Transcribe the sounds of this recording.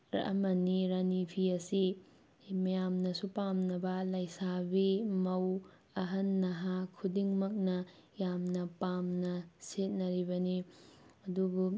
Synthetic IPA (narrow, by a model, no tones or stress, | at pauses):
ɾɐ̰ʔɐ̰mɐniɾanipʰiɐsi | mɐjamnɐsupamnɐbɐlɐjsabimɐw | ɐɦɐnːɐɦakʰudiŋmɐk̚nɐ | jamnɐpamnɐset̚nɐɾibɐniɐdubu